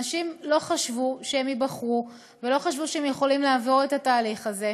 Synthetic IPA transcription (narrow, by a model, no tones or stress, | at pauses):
aʃimlo̞χaʃvuʃehemibaχʁu | velo̞χaʃvuʃeemjeχo̞limleavo̞ʁetataːliχaze̞